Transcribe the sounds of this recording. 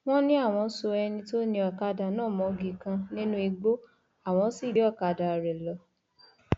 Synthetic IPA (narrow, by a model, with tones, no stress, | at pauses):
w̃ɔ̃˦nĩ˦a˦˨w̃ɔ̃˧˦so˧ɛ˧nĩ˧to˦nĩ˧ɔ˨ka˧da˨nãː˦˨mɔ̃˨˦ɡi˨˧kã˧nĩ˦nũ˦i˧ɡ͡bo˦ | a˦˨w̃ɔ̃˨˧˦si˦˨ɾi˨˦ɔ˦˨ka˧da˨ɾɛ˨lɔ˧˦